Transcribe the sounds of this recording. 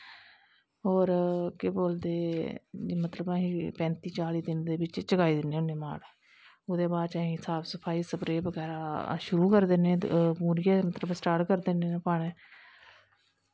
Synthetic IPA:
ɦoːɾkeboːld̪eː | mət̪ləbəɦĩːpɛ̃ːnt̪iːt͡ʃaːliːd̪ɪnd̪eːbɪt͡ʃt͡ʃəkaːiːd̪ɪnːeːʊneːma̰ːɽ | ʊd̪eːbaːd̪t͡ʃaːɦĩːɦɪsaːbsəpʰaːiːsəpɾeːbəɡɛːɾaːʃʊɾuːkəɾd̪eːnẽːmuːɾɪjeːmət̪ləbsʈaːʈkəɾd̪eːneːneːpaːɽeː

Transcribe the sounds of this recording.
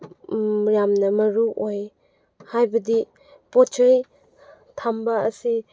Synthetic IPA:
ɾjamnɐmɐɾuʔoj | hajbɐdi | pot͡ʃʰaj | tʰambaɐsi

